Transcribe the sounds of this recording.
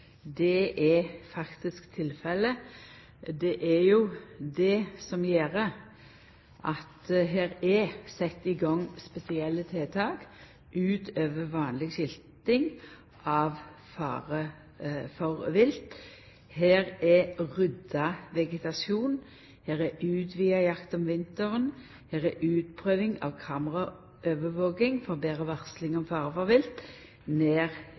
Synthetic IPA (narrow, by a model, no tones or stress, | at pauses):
d̪ɛʔɛfɑkt̪ɪskt̪ʰɪlfɛlə | d̪ɛʔæɾjʊd̪ɛsɔmjeːɾə | ʔɑt̪ɦeːɾɛsɛt̪ːɪɡɑŋːspɛsɪɛlːət̪ʰeːt̪ʰɑːk | ʔʉːt̪øːʋəʋɑːnlɪɡɕɪlt̪ɪŋ | ʔɑʋfɑ̰ːʁə | fɔʁʋɪlt̪ | heːʁɛʁʏd̪ɑʋɛɡət̪ɑsuːn | heːʁɛʔʉːt̪ʋiːɑjɑkt̪ɔmʋɪnt̪əʁən | heːʁɛʔʉːt̪̚pʰʁøːʋɪŋɑ̰ʋkʰɑːməʁɑ | ʔøːʋəʋoːɡɪŋfɔʁbeːʁəʋɑʁslɪŋɔmfɑːʁəfɔɾʋɪlt̪ | neːʁ